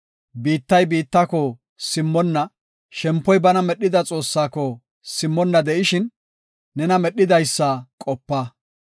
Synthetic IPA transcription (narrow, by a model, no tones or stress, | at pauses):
biːt̪ːɐjbiːt̪ːakɔ | sɪmːɔnːɐ | ʃɛmpːɔjbɐnɐmɛɗːɪd̪ɐt͡sʼo̞ːsːaːkɔ | sɪmːɔnːɐd̪ɛʔɪʃɪnː | ɛnɐmɛɗːɪd̪ɐjsːɐkʼɔpːa